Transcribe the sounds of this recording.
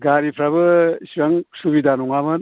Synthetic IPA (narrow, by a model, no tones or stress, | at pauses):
ɡaɾipʰɾabɯsiaŋsubidanɔŋamɯn